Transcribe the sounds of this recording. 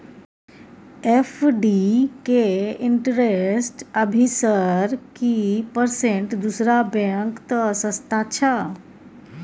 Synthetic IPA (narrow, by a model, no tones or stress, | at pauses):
epʰɖikeiɳʈɾesʈəbʱisəɾkipəɾseɳʈd̪usɾabeŋkt̪əsə̃st̪at͡ʃʰə